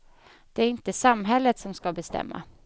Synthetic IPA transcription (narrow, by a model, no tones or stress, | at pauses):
d̪̥ɛæɾɪnt̪əsamːɦɛlːət̪sɔmskabɛst̪ɛ̰mːa̰